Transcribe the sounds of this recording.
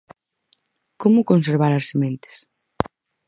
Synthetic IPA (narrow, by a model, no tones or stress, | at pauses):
komʊkonseɾβ̞aɾɐsemẽnt̪e̥s